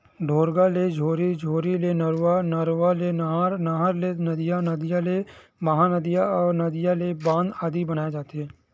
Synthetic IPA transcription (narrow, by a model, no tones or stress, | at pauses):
ɖʱoːɾɡaled͡ʒʱoːɾid͡ʒʱoːɾilenəɾwaːnəɾwalenəɦaːɾnaɦaɾlenəd̪ɪjanəd̪ɪjale | məɦaːnəd̪ɪjaɔːɾnəd̪ɪjalebãːnd̪aːd̪ibənaːed͡ʒaːt̪eɦɛ̃ː